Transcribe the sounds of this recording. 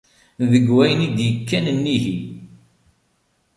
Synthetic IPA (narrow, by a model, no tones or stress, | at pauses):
ðəɡwæjənid̪jəkːænnːiɦi